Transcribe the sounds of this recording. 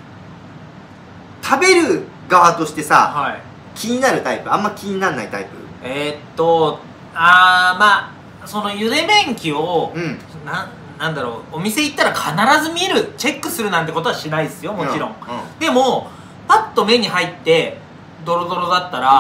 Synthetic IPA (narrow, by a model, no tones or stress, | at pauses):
t̪ʰabe̞ɾɯ̟ | ɡaβat̪o̞ɕi̥t̪e̞sa̰hai | kʲʰiɲ̟inaɾɯ̟t̪aipɯ̟ãmːakʲiɲ̟inanːa̰it̪a̰ipɯ̰et̪ːo̞ | amaː | so̞no̞jɯ̟d̪e̞mẽ̞ŋkʲio | nã | nãnd̪aɾo̞omʲise̞it̪ːaɾakʰanaɾazɨmʲie̞ɾɯ̟t͡ɕe̞kːɯ̟sɨɾɯ̟nãnt̪eko̞t̪o̞aɕinaid̪esɨjo̞mo̞t͡ɕiɾõ̞ŋd̪e̞mo̞ | pat̪ːo̞me̞ɲ̟iɦait̪ːe̞ | d̪o̞ɾo̞d̪o̞ɾo̞d̪at̪ːaɾa